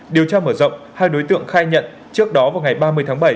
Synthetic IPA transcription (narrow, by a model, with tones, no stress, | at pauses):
ɗi˨˩əwt͡ɕaː˧məː˧˩zə̰˧˨wŋ͡mhaː˧jɗo˨˦jt̪ɨ̰˧˨əŋxaː˧jɲə̰˧˨n | t͡ɕɨ˦˥ək̚ɗɔ˨˦vaː˨˩wŋa˨˩jɓaː˧mɨ˧əjt̪ʰːŋɓə˧˩j